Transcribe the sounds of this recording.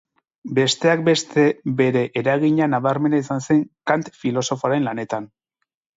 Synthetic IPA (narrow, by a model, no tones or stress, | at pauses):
be̞st̪e̞ak̚be̞st̪e̞be̞ɾe̞ʔeɾaɣiɲanaβaɾme̞nais̬anse̞ŋkant̪filo̞so̞foaɾe̞nlane̞t̪an